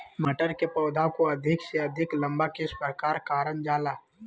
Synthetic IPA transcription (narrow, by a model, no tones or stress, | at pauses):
məʈəɾkepɔːd̪ʱakoɐd̪ʱɪkseɐd̪ʱɪklə̃mbakɪʃpɾkaːɾkaːɾənd͡ʒaːlaː